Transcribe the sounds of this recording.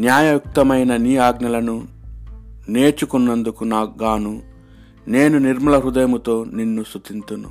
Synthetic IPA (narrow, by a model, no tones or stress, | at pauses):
njaːjɐjuk̚t̪ɐmɐjnɐniːaːɡnɐlɐnu | ne̞ːt͡ʃukunːɐnd̪ukunaːɡaːnu | ne̞ːnuniɾmɐlɐɾud̪ɐjɐmut̪o̞ːninːust̪ut̪int̪unːṵ